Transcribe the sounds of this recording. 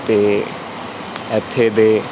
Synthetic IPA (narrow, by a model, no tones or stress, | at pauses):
t̪eː | ɛt̪ʰːeːd̪eː